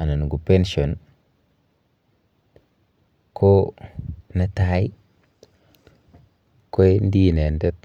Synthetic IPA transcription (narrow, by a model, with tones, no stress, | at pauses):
a˨na˨n˨ɡu˨pe˦nʃo˨n | kʰo˦ | na˦ta˦i˦ | ko˦jn˦di˦˨ne˨nde˦t̪